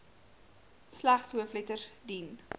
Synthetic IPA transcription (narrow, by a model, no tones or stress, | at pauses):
slaχsɦuəflɛtərdin